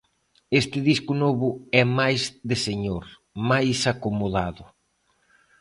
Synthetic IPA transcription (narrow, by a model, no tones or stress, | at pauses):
est̪ɪðiskʊnɔβʊɛmajzðɪseɲoɾ | majsakomuðaðʊ